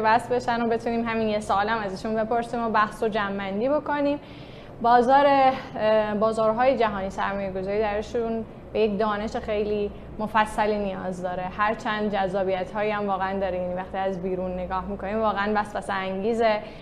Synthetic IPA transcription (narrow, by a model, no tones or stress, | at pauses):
væsbe̞ʃænobe̞t̪ʰuːniːmɦæminjesɒːlæmæzæʃunbe̞po̞ɾsiːmobæhsod͡ʒæmːænd̪iːbo̞ko̞niːm | bɒːzɒːɾe̞ | bɒːzɒːɾɦɒːjed͡ʒæɦɒːniːsæɾmɒːjeɡo̞zɒːɾiːd̪æɾeʃun | bejekd̪ɒːne̞ʃe̞xe̞jliː | mofæsːæliːnijɒːzd̪ɒːɾe̞hæɾt͡ʃʰænd̪̚d͡ʒæzːɒːbijæt̪hɒːjiæmvɒːɣeænd̪ɒːɾejænivæxt̪iːæzbiːɾunːe̞ɡɒːhmikʰoniːmvɒːɣeænbæsbæsæɾæŋɟiːze